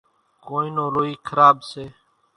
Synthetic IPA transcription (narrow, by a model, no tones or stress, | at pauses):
koːĩːnoːɾoːiːkʰəɾaːbseː